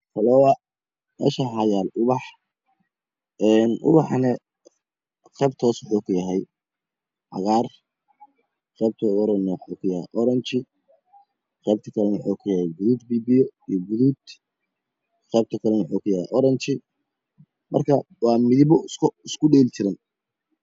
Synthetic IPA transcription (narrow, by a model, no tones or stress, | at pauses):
fɐlɔːwɐ | mɛ̰ːʃɐɦɐjaːlʊβɑħ | ɛːnʔʊ̰βɑħnɛ | qɛːb̚t̪ʰɔːswʊħuːkʰʊjɐɦɛj | ʕɑ̰ɣaːr | qɛːb̚t̪ʰɐɔɾɔnːɛwħuːkʰʊjɐhɛ̰ʔɔɾɐnt͡ʃɪ | qɛːb̚t̪ʰɐkʰɐlɛnwʊħuːkʰʊjɐhɛjɡʊðuːd̪biːbijɔijɔɡuðuːd̪ | qɛːb̚t̪ʰɐkʰɐlɛnwʊħuːkʰʊjɐhɛ̰ʔɔɾɐnt͡ʃɪ | mɐ̰rkʰɐ | wɑːmɪðɪβɔskɪskʰʊɖɛːlt͡ʃɪɾɪn